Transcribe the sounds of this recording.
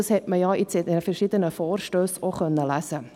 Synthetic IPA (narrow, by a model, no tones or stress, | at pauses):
ɑshɛtməjɑit͡sɛdəəfɛɾʃid̪ənəfɔːrʃtøːsoχœnːəlæsə